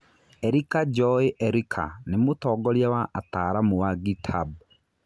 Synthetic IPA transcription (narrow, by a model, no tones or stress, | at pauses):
ɛɾikad͡ʒɔeʔɛɾikʰa̰nemotɔːɡɔɾjawaʔataːɾamowaɡitʰab̚